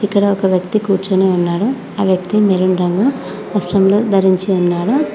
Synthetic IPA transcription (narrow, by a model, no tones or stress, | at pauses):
ikːɐɽɐɔkɐʋjɐk̚t̪ikuːʈt͡ʃɐneːunːaːɽu | aːʋjɐk̚t̪imeɾunɾɐŋɡu | ʋɐsʈɐmlud̪ʱɐɾiɲt͡ʃiunːaːɽu